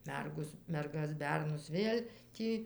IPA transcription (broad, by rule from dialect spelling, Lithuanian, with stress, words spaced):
ˈmʲɛrɡoːs mʲɛrˈɡɐs ˈbʲɛrnʊs ˈʋʲeːlʲ ˈtʲiː